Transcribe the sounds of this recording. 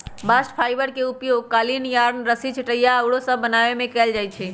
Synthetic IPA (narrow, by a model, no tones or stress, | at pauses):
basʈpʰajbəɾkeupjoɡ̚kalinjaɾnɾəsit͡ʃʰəʈəjaəwɽosə̃bənaʋemẽkɛld͡ʒajt͡ʃʰɛ